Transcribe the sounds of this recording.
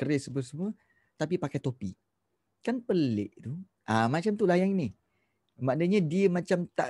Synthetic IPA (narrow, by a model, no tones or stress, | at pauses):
kəɾɪsəbəsəmuə | t̪apipakajt̪opiʔ | kanpəlḛʔt̪u | ʔamat͡ʃamt̪ulajaŋnɪ | madəɲadiəmãt͡ʃamt̪a̰ʔ